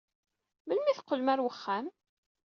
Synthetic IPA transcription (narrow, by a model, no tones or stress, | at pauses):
məlmiθəqːəlmæɾwəχːæm